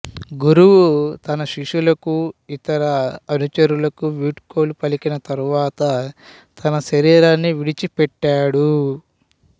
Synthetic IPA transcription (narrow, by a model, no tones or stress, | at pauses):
ɡuɾuwut̪ɐnɐʃiʂulɐkuit̪ɐɾɐːnut͡ʃɐɾulɐkuʋiːʈkoːlupɐlikinɐt̪ɐɾuʋaːt̪ɐ | t̪ʰɐnɐʃɐɾiːɾaːnːiʋiɽit͡ʃipɛʈːaːɽu